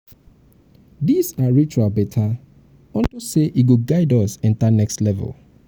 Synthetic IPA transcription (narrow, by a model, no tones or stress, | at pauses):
disaɹit͡ʃualbɛtʰa | ɔ̃ntoseʔiɡoɡaɪdɔsɛ̃ntanɛkstlɛvə̰l